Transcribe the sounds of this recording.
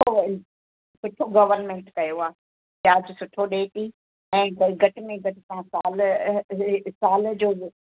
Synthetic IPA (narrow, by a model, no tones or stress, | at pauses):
o | sʊʈʰoɡɐʋəɾnmẽːɳʈkɐjoaː | jaːd͡ʑosʊʈʰoɗeːt̪i | ɛ̃ːɡɐʈɪmẽɡɐʈɪsãsaːl | saːld͡ʑoː